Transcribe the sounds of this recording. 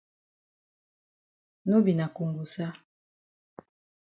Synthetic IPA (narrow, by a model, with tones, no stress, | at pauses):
no˦bi˨na˨ku˨ŋɡu˨sa˦